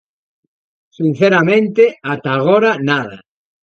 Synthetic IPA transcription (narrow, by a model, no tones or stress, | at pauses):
sin̟θeɾamẽnt̪eat̪aɣoɾanaða